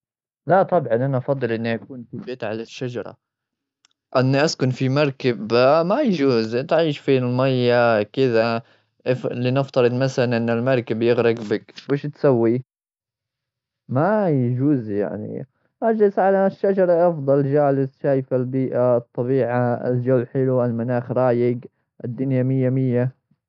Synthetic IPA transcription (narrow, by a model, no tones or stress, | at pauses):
lat̪ˤɑbʕɑnʔanaʔɑfɑd̪ˤːɨlʔɪnːiʔakuːnfibeːt̪ʕalaʃːad͡ʒɑɾˤɑ̰ | ʔɪnːiʔaskʊnfimɑɾˤkɪbmajad͡ʒuːzt̪ʕiːʃfiːɪlmajːakɪða | ʔflinɪft̪ˤɑɾˤɨd̪maθalanʔɪnːɪlmɑɾˤkɪbjɪɣɾɪɡbɪkweːʃt̪sawːi | majd͡ʒuːzja̰ʕnḭ | ʔad͡ʒɪsʕalaʃːad͡ʒɑɾˤɑʔɑfd̪ˤɑld͡ʒaːlɪzʃaːjfalbiːʔat̪ˤːɑbiːʕaɪ̰ld͡ʒawːħɪluʔalmanaːxɾˤɑːjɪɡ | ʔɪd̪ːʊnjamɪjːamɪjːa